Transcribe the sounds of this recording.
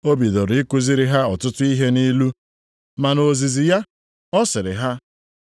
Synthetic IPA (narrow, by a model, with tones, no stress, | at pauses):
o˦bi˨do˨ɾi˨˦ku˦zi˦ɾi˦ɦa˦ɔ˨tʊ˦tʊ˦i˦ɦe˦ni˦lu˦ | ma˨no˨zi˨zi˨ja˦ | ɔ˦sɪ˨ɾɪ̰˨ɦa˦